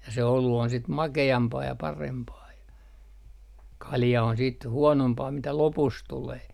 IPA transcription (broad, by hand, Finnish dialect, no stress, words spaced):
jɑ se olu on sit mɑkeɑmpɑː jɑ pɑrempɑː jɑ kɑljɑ on siːt huonompɑː mitæ lopus tuleː